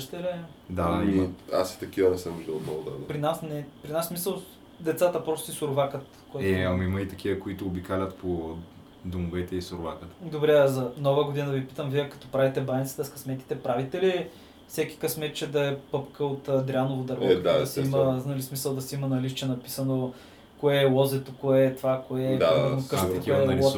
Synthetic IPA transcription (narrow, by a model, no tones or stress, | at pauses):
ʃt̪ɛlɛ | d̪aima̰si̥t̪ɐkiɐɾɛsɛmuʒd̪əot̪nɔɡʊd̪a̰d̪pɾinasnɛpɾinasmisəlˠ | d̪ɛt̪sat̪əpɾɔst̪isʊɾʊvakət̪ | koɛɐmimɐit̪ɐk̟ʰiəkoit̪oːbikalʲɐt̪po | d̪omovɛt̪ɛisoɾʊva̰kət̪ə̥d̪obɾɛzɐnɔvəɡod̪inəd̪ɐvipit̪əmviɛkɐ̥t̪ɔpɾavit̪ɛbanit̪si̥t̪ɛskɐsmɛt̪kʲi̥t̪ɛpɾavit̪ɛli | fsɛkʲi̥kɐsmɛt̪t͡ʃɛd̪ɐɛpɤpkəot̪ːd̪ɾʲanovod̪ɐɾvɔasimənɐlismisəlˠd̪ɐsɛimɐnɐlist͡ʃɛnɐpi̥sɐno | koɛːlˠɔzɛt̪okoɛt̪vakoɛd̪anokk̪ɐkʲiɐɛnˠɔ